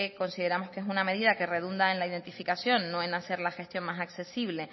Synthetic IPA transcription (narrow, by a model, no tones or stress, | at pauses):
ko̞nsiðe̞ɾamo̞skesuname̞ð̞iðake̞re̞ð̞und̪ae̞nlaiðe̞nt̪ifikasjo̞nːo̞enase̞ɾlaxe̞st̪jo̞ŋmasakse̞siβle̞